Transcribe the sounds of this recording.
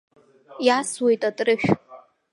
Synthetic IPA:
jaswe̞jtʼatʼrɨʃᶣ

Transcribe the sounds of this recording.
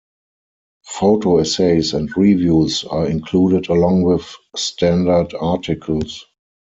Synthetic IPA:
foʊtʰoɛseɪsɛ̃ntɹivjuːsaɪ̃nkʰluːdɪdəlɔ̃ŋwɪθstʰæ̃ndə˞datʰɪkʰəl̩s

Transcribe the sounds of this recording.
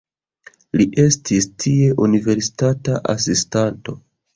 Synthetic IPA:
liʔe̞stistʰie̞ʔunive̞ɾsi̥tataʔa̰sistanto̞

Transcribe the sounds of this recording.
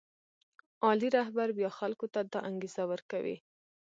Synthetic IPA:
ɑliɾaɦbaɾbjɑxalkot̪ad̪ɑʔaŋɡez̥awəɾkawḭ

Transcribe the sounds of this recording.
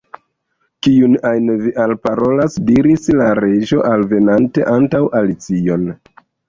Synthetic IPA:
kiunajnviʔalpaɾo̞lasdiɾislaɾe̞ʒo̞ʔalve̞nante̞̰ʔantawʔalit͡sio̞n

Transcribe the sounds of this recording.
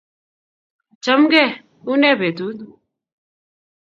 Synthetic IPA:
t͡ʃəmɡɛː | unɛ̃ːbʱeːd̪uːd̪

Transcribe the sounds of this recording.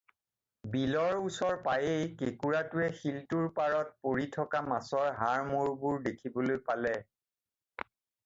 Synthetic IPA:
bilɔɹusɔɹpajejkekuɹatʊɛxiltuɹpaɹɔt̚poɹitʰɔkamasɔɹɦaɹmuɹbuɹdekʰibɔlojpalɛ

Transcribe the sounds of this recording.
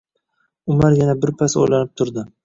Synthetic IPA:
ʊmaɾjanabɪɾpʰaso̰jlanɪp̚t̪ʰʊɾd̪ɪ

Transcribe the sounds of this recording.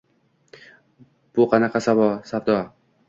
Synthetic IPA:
b̥ʊqʰɑnɑqʰɑsavɒsavd̪ɒ

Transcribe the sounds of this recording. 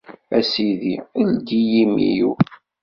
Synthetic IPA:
æsiðiuld̪ijimḭjṵ

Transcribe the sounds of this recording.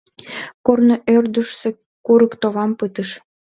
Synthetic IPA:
kornoʔørd̪əʃse | kuɾəkt̪oβɑmpɨt̪əʃ

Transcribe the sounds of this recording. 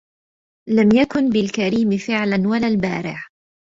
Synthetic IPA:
lamjakʊnbɪlkaɾiːmɪfɪʕlanwalaːlbaːɾɪʕ

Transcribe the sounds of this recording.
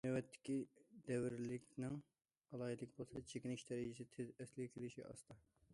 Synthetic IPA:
nɛwɛt̪ʰːɪ̥kʲid̪ɛwɪɾlɪkʲnɪŋ | ɑlˠɑːɦid̪ɪkʲbolˠsɑt͡ʃʰekʲinɪʃd̪ɛɾɪd͡ʒɪsɪt̪ʰɪzɛslɪɡʲɛkʲʰelɪʃiʔɑ̰st̪ʰɑ

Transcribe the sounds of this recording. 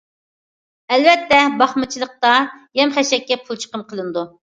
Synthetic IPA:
ɛlvɛt̪ːɛbɑχmɨt͡ʃʰilˠəq̚t̪ɑjɛmχɛʃɛkʲːɛpʰulˠt͡ʃʰə̥qəmqʰəlˠɨnɨd̪u

